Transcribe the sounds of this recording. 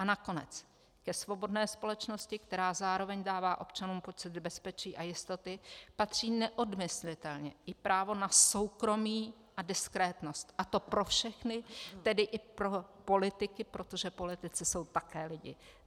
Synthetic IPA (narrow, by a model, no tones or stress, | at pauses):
ʔanako̞nɛ̰t͡s | kɛsvo̞bo̞dnɛːspo̞lɛt͡ʃno̞scɪkt̪ɛɾaːzaːɾo̞vɛɲdaːvaːʔo̞pt͡ʃanuːmpo̞t͡sɪd̪̚bɛspɛt͡ʃiːʔajɪst̪o̞t̪ɪpat̪r̝̥iːnɛʔo̞dmɪslɪt̪ɛlɲɛʔɪpɾʔaːvo̞naso̞wkɾo̞miː | ʔadɪskɾɛːt̪no̞st̪ʔat̪o̞pɾo̞fʃɛxnɪt̪ɛdɪʔɪpɾo̞po̞lɪt̪ɪkɪpɾo̞t̪o̞ʒɛpo̞lɪt̪ɪt͡sɪso̞wt̪akɛːlɪɟɪ̰